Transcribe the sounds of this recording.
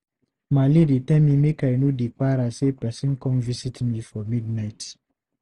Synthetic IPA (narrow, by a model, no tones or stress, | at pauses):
malidetɛmĩmekajnodikaɾasepɛsĩnkɔ̃nvisitmifɔmidnaɪt